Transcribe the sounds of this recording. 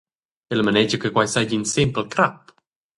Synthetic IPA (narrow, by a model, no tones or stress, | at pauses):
ɛləmənɛd͡ʒəkəkwajsajd͡ʒinsimplkɾap